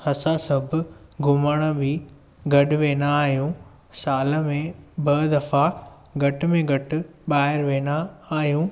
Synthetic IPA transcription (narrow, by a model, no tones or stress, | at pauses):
hɐsasɐbʱʊ̆ɡʱʊməɽ̃ə̆bɪ | ɡʱɐɗʊʋeːnaːɦijũː | saːlə̆mẽbɐd̪ɐfa | ɡʱɐʈ̆mẽɡʱɐʈʊ̆ɓaːɦɪɾʋeːnaaːɦijũː